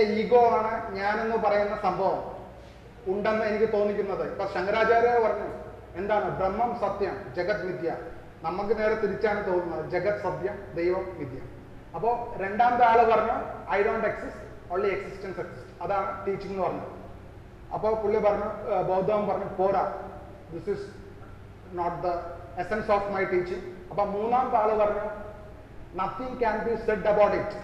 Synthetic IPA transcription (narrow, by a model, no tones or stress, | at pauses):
eiːɡoːaːɳɨɲaːne̞nːɨpɐrɐjunːɐsɐmbʱɐʋɐm | uɳɖenːɨe̞nikʲːɨt̪o̞ːnːikʲːunːɐðɨipːoɕɐŋɡɐɾaːt͡ɕaːɾopɐrɐɲːu | e̞nd̪aːɳɨbremːɐmsɐt̪jɐmd͡ʑɐɡɐt̪mid̪ja | nɐmːukːɨne̞ːɽet̪ːiɾit͡ɕːaːɳɨt̪o̞ːnːunːɐðɨd͡ʑɐɡɐt̪ːsɐd̪jɐmd̪ejʋɐmʋid̪ʱjɐ̰m | ɐpːoːɾe̞ɳɖaːmɐd̪ɨaːɭɨpɐrɐɲːuɐjɖoːɳʈeksisʈ | oːɳlieksisʈɐnseksi̥sʈɐðaːɳɨʈiːt͡ɕːiŋnɨpɐrɐɲːu | ɐ̰pːoːpuɭːjɐpɐrɐɲːubɐwd̪ʱaʋɐmpɐrɐɲːupoːɾa | d̪isis | noːʈd̪ɐ | esensoːfmɐjʈiːt͡ɕiŋɐpːoːmuːnːaːnt̪aːɭɨpɐrɐɲːo | nɐt̪ʰĩŋɡkanbiseɖːɐbaːʈet͡ʃː